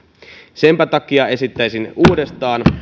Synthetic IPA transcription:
sempæt̪ɑkːˑiɑe̞sit̪ːæisinuːdest̪ɑːn

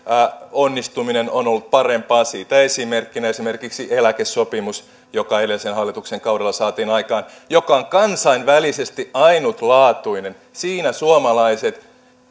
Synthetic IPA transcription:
onːist̪uminenonolːut̪̚pɑrempɑːsiːt̪æesimerkːinæesimerkiksiʔelækesopimus | jokɑelesenhɑlːit̪ukseŋkɑuwɾelːɑsɑːt̪iːnɑikɑːnjokɑoŋkɑnsɑinʋælisest̪iʔɑinut̪lɑːt̪uinen | siːnæsuomɑlɑiset̪

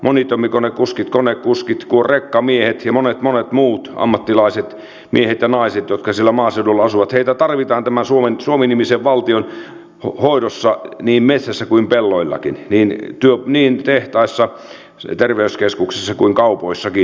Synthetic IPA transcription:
mʔonit̪omːikonekuskit̪konekkuskit̪kuorekːɑmiehet̪jɑmonet̪monet̪muːt̪ɑ̰mːɑt̪ːilɑiset̪ | miehet̪jɑnɑiset̪jot̪kɑsilːæmɑːseudulːɑɑsuʋɑt̪heit̪æt̪ɑrʋit̪ɑːnt̪æmænsuomensuominimiseʋʋɑlt̪ion | hhoiɾosːɑniːmmet̪sæsːækuimpelːoilːɑ̰kinniːnt̪yøniːnt̪eht̪ɑisːɑ | t̪erʋeyskeskuksesːɑkuiŋkɑupoisːɑki

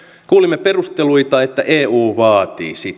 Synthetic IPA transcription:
kuːlimːepe̞rust̪eluit̪ɑet̪ːæʔeːuːʋɑːt̪ḭːsit̪ː

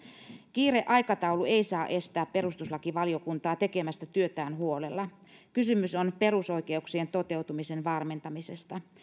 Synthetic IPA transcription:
k̟iːre̞ʔɑjkɑt̪ɑulueijsɑːʔe̞st̪æːppe̞ɾust̪uslɑkiʋɑlio̞kunt̪ɑːt̪e̞kemæst̪æt̪yøt̪æːnɦuo̞le̞lːɑ | kysymysonpe̞ɾuso̞jke̞uksie̞nt̪o̞t̪e̞ut̪umisenʋɑrme̞nt̪ɑmise̞st̪ɑ

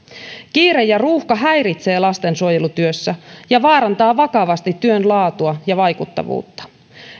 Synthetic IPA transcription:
kiːɾe̞jːɑruːhkɑɦæjɾit̪se̞ːlɑst̪e̞nsuojelut̪yøsːæjɑʋɑːɾɑnt̪ɑːʋɑkɑʋɑst̪it̪ːyø̞nlɑːt̪uɑjɑʋɑjkut̪ːɑ̰ʋṵːt̪ːɑ̥

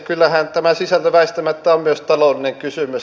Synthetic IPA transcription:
kylːæhænt̪æmæsisælt̪æʋæˑist̪æmæt̪ːæommyøst̪ɑloˑlineŋkysymys

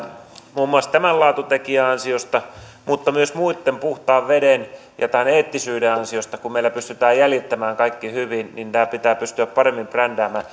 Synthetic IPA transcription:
muːmːuɑst̪æmællɑˑut̪ut̪ekiæɑnsiost̪ɑ | mut̪ːɑmyøsmuit̪ːempuht̪ɑːʋʋeden | jɑ̰t̪æneːt̪ːisyːdeɑnsiost̪ɑkumeilæpyst̪yt̪æːjjæljit̪ːæmæːŋkɑikːihyʋinnint̪æːpit̪æːpyst̪yæppɑremːimprænd̪æːmæː

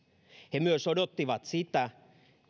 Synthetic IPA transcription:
hemyøsodot̪ːiʋɑt̪sit̪æ

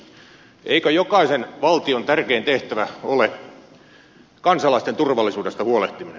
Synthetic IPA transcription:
ʔeikøjokɑisenʋɑlt̪iont̪ærkeːnt̪eht̪æʋæole | kɑnsɑlɑˑist̪ent̪urʋɑlːˑisuːdest̪ɑhuoleht̪iminḛ

